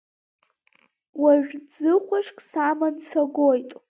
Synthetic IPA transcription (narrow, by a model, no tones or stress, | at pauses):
waʒᶣd͡zɨχʷaʂʼkʼsamant͡sʰaɡʷojtʼ